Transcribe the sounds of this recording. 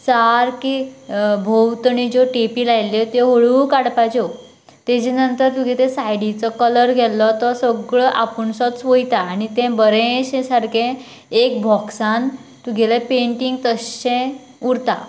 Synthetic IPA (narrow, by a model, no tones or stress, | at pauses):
saɾkibʱowt̪əɳid͡ʑoʈepilajlet̪eɦoɭukaɽpat͡ɕɔ | t̪ed͡ʑenənt̪əɾt̪uɡʱet̪ẽsajɽit͡sɔkələɾɡʱɛlːɔt̪ɔsəɡɭɔʔapuɳsɔt̪sʋojt̪aːñit̪ɛ̃bəɾẽɕẽsaɾkʰẽ | ekbʱɔksan | t̪uɡʱɛlepeɳʈiŋɡt̪əɕɕẽ | uɾt̪a̰